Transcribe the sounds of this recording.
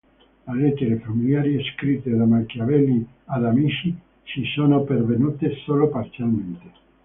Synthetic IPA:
alet̪ːeɾefamiljaːɾjeskɾit̪ːed̪amarkjavɛlːi | ad̪amit͡ʃi | sisoːnopervenuːt̪esoːlopart̪sjalment̪e

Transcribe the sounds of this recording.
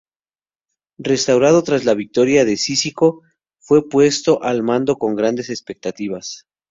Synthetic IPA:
re̞st̪awɾað̞o̞t̪ɾazlaβik̚t̪o̞ɾjaðe̞sisiko̞ | fwe̞pwe̞st̪o̞ʔalmãnd̪o̞ko̞ŋɡɾand̪e̞se̞spe̞k̚t̪at̪iβas

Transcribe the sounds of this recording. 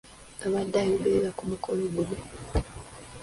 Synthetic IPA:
aβadːajobeeɾakumukoloɡulu

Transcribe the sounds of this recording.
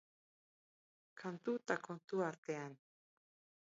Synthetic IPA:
kʰant̪ut̪ako̞nt̪uaɾt̪e̞an

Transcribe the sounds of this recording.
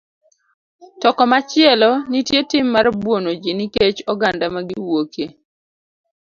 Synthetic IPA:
tɔkɔmat͡ʃɪɛlɔnitjetɪmːarbwonod͡ʒiniket͡ʃɔɡandamaɡɪwoke

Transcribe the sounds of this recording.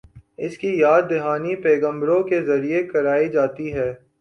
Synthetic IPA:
ɪskijaːd̪̚ːɪɦaːnipɛːɡə̃mbɾõkezɐɾiekɐɾaːid͡ʒaːt̪iɦɛː

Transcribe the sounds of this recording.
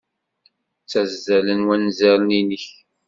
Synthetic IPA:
t͡sːæzːælənwænzæɾninəç

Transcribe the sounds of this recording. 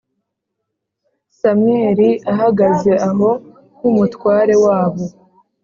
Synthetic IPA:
sameɾiaɦaɡaze̞ʔaɦo̞ | numutkwaːɾe̞waːβo̞

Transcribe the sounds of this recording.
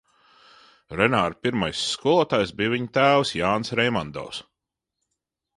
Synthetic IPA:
ɾɛnaːɾpiɾmajsːkuɔlˠɔt̪aːjsbijvʲiɲt̪æːwsjaːnsɾɛjmand̪ɔ̰ws

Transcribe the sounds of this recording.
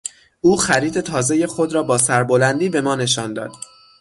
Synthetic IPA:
ʔuːxæɾiːd̪e̞t̪ʰɒːze̞je̞xo̞d̪ɾɒːbɒːsæɾbo̞lænd̪iːbe̞mɒːne̞ʃɒːnd̪ɒ̰ːd̪̥

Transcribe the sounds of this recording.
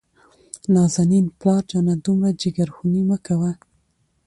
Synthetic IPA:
nɑzaninplɑɾd͡ʒɑnad̪umɾad͡ʒɪɡaɾxuniməkawa

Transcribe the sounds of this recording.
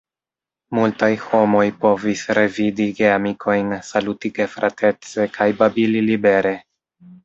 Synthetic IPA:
multajho̞mo̞jpo̞visɾe̞vidiɡeamikʰo̞jnsalutiɡe̞fɾʔatʰe̞t͡se̞kʰajbabililibe̞ɾe̞

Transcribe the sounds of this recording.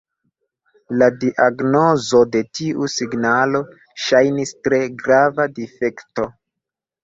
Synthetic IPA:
ladiʔaɡno̞zo̞de̞tiusiɡnalo̞ | ʃajnistɾe̞ɡɾavadife̞kto̞

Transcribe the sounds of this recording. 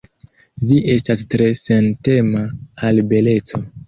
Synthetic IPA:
viʔe̞stastɾe̞sente̞maalbe̞le̞t͡so̞

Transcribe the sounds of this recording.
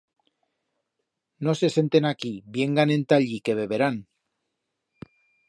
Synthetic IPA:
no̞se̞se̞nt̪e̞nakiβje̞ŋɡane̞nt̪aʎike̞βe̞βe̞ɾan

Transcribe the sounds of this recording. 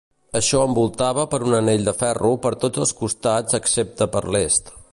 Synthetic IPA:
əʃɔəmbulˠt̪aβ̞əpəɾunəneʎd̪əfɛrupəɾt̪od͡zəlˠskust̪ad͡zəksep̚t̪əpə̰ɾlest̪

